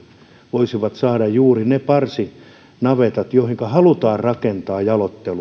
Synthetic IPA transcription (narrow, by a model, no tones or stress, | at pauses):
ʋoisiʋɑt̪sɑːdɑjjuːrinepɑrsi | nɑʋet̪ɑt̪joihiŋkɑhɑlut̪ɑːrrɑkent̪ɑːjɑlot̪ːelu